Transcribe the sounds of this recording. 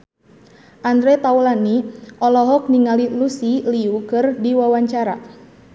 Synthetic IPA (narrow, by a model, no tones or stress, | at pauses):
ʔand̪ɾɛt̪aulaniʔɔlɔɦɔk̚niŋalilusiliukɨrdiwawaɲt͡ʃaɾa